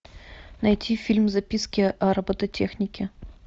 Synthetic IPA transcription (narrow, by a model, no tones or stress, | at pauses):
nɐjtʲʰifʲilʲmzɐpʲiskʲɪʔɑɾəbət̪ətʲʰexnʲɪkʲɪ